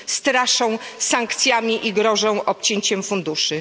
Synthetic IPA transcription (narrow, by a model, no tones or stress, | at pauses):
st̪ɾaʂɔ̃saŋkt̪sʲjamʲiʔiɡɾɔʐɔ̃w̃ʔɔp̚t͡ɕeɲt͡ɕɛmfund̪uʂɘ